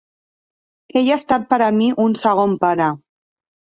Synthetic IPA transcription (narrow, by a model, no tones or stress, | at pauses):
eʎast̪at̪̚pəɾəmiʔunsəɣ̞ompaɾə